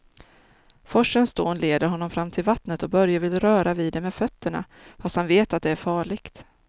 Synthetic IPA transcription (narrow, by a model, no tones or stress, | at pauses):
fɔʂənst̪oːnleːd̪əɾɦɔnːɔmfɾamːt̪ʰɪlvat̪nət̪ɔbœɾjavɪlɾœːɾaviːd̪ɛmɛːd̪fœt̪ːəɳa̰ | fast̪hanveːt̪at̪̚d̪ɛæɾfɑːɭɪɡ̥t̪